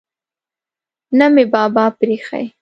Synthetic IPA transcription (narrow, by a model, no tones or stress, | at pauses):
namɪbɑːbɑːpɾeːxa̰j